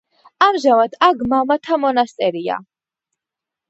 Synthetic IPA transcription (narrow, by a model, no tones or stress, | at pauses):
amʒavad̪aɡmamat̪ʰamɔnast̪sʼɛɾia̰